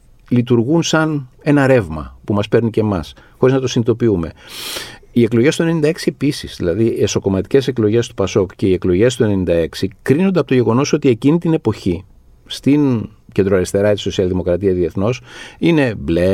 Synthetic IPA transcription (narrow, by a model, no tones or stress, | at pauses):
lit̪uɾɣunsɐne̞nɐɾe̞vmɐ̰pumɐspe̞ɾnicemɐ̰sxo̞ɾiznɐt̪o̞sinit̪o̞piume̞ | ie̞klo̞ʝest̪uenenind̪ɐeksie̞pisizðḭlɐðieso̞ko̞mɐt̪i̥ce̞se̞klo̞ʝe̞st̪upɐso̞kce̞ie̞klo̞ʝe̞st̪ue̞nenind̪ɐe̞ksikɾinond̪eɐpo̞t̪oʝeɣo̞no̞so̞t̪ie̞cinit̪ine̞po̞çi | st̪in | ce̞nd̪ɾoɐɾist̪e̞ɾɐt̪iso̞siɐlðimo̞kɾɐt̪iɐðie̞θno̞sine̞ble